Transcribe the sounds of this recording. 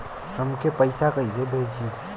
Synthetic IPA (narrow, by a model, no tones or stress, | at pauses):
səmkepəɪsakəisebʱed͡ʒi